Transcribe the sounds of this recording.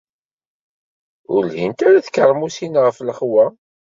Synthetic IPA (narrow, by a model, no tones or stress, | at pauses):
ʊ̰lhimt̪aɾaθkəɾˤmusinʁəfləχwæ